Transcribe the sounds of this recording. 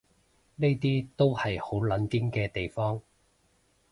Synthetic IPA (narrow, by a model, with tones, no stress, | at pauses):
ne˥jt̪iː˥t̪o˥whɐ˨jho˨˥wlɐ˨˥nki˥ŋkɛː˧t̪e˨jfɔː˥ŋ